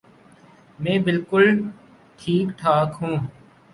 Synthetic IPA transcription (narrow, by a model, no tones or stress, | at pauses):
mɛ̃ːbɪlkʊl | ʈʰiːkʈʰaːkɦũː